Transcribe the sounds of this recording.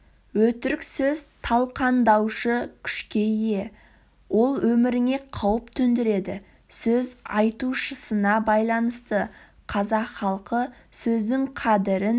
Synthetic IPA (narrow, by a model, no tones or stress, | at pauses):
wɵt̪ɪɾɪksɵzt̪ʰɑlˠqɑnd̪ɑwʃəkʲʰʏ̥ʃkʲe̞jje̞ | wo̞lˠwɵmɪɾɪŋe̞qʰɑwəpt̪ʰɵnd̪ɪɾe̞d̪ɪ | sɵzɑjt̪uʃəsənɑbɑjlˠɑnəst̪ə | qʰɑzɑqχɑlˠqəsɵzd̪ɪŋqʰɑd̪ɪɾɪn